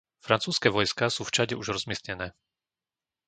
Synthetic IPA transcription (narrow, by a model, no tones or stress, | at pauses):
fɾant͡suːskɛːʋɔjskasuːft͡ʃaɟɛuʒɾɔzmɪɛsɲɛnɛː